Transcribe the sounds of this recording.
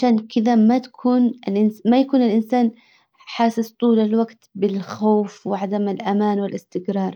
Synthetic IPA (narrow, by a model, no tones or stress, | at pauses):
ʕaʃaːnkɪðamat̪ḁkʰuːnɪlʔɪnsmajakuːnɪlʔɪnsaːn | ħaːsɪst̪ˤuːlɪlwaɡt̪bɪlxoːfwɪʕad̪amɪlʔamaːnwɪlɪst̪ɪɡɾɑːɾˤ